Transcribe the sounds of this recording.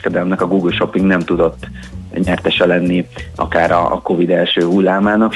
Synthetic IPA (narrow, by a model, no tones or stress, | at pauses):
kɛd̪ɛlɛmnɛkɒɡuːɡylʃo̞pːiŋɡnɛmt̪ud̪o̞t̪ː | ɲɛrt̪ɛʃɛlɛnːiɒ̰kaːɾɒ̰ːko̞vid̪ɛlʃøːɦulːaːmaːnɒk